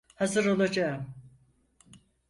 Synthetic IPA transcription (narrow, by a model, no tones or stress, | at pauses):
hazɯɾo̞lˠad͡ʒaɯm